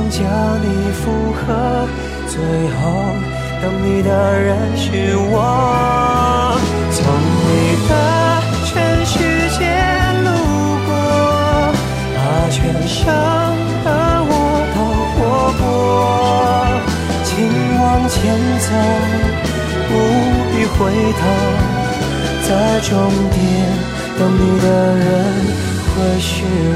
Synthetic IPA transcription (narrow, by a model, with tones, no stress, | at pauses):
ŋt͡ɕjɑ˧˥ni˨˩fu˧xɤ˧˥ | t͡swe˧˥˩ɪxa˧˥ | t̪ə˧ŋni˨˩d̪ə˧ɻə˧˥nʂ̩˧wɑ˧ | t͡sʰʊ˧˥ŋni˨˩d̪ə˧ | t͡ɕʰɥɛ˧nʂy˧˩t͡ɕjɛ˧˥lu˥˩ | kwɔ˥ | t̪a˧˩t͡ɕʰɥɛ˧nʂə˥ | ŋ | d̪ə˧wɔ˧˥ | t̪ʰo˧˩kwɔ˧˥kwɔ˧˥ | t͡ɕʰi˧˥ŋ | wɑ˧˥ŋt͡ɕʰjɛ˧˥nt͡sʰa˧˥ | pu˧˥pi˥˧xwe˧˥ɪt̪ʰa˧˥ | t͡sa˥˧ɪʈ͡ʂʊ˥ŋt̪ʰjɛ˧˩n | t̪ə˧˥ni˨˩d̪ə˧ɻə˦˥n | xwe˥˩ɪʂy˥˩